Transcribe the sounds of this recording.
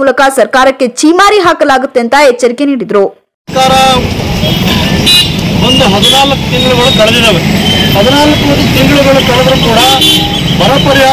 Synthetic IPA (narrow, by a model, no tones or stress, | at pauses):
uːlɐkɐsɐɾkaːɾɐkːe̞t͡ʃiːmaːɾiɦaːkɐlaːɡut̪ːent̪ɐet͡ʃːɐɾikeniːɽid̪ɾu | kaːɾɐ | ɦond̪uɦɐd̪inaːlɐkːut̪iŋɡɐɭuɣɐɭukɐɭɐd̪id̪ɐʋeɦɐd̪inaːlɐkːut̪iŋɡɐɭuɡɐɭukɐɭɐd̪ɐɾukuːɽɐ | bʱɐɾɐpɐɾijaː